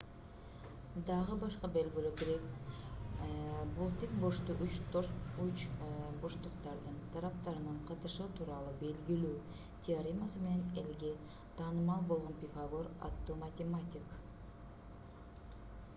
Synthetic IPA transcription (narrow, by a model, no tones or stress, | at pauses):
d̪ɑʁɯbɑʃqɑbe̞lɡyløbɾek | bulˠt̪ik̚boʃt̪uʔyt͡ʃot͡ʃboʃt̪uqt̪ɑɾd̪ɯnt̪ʰɑɾɑp̚t̪ɑɾɯnɑɴqʰɑt̪ɯʃɯt̪ʰuːɾɑlˠube̞lɡilyː | t̪ʲʰiaɾʲimasɯme̞ne̞nelɡe | t̪ʰɑːnɯmɑlˠbo̞lˠʁo̞npʲifaɡoɾa̰t̪ːomɐt̪ʲemat̪ʲik